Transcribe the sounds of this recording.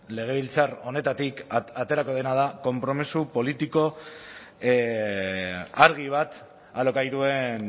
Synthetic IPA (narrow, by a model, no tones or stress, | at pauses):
le̞ɣ̞e̞β̞ilt͡saro̞ne̞t̪at̪ikat̪e̞ɾako̞ð̞e̞nað̞ako̞mpɾo̞misupo̞lit̪iko̞ | aɾɣ̞iβ̞at̪ | alo̞kajɾue̞n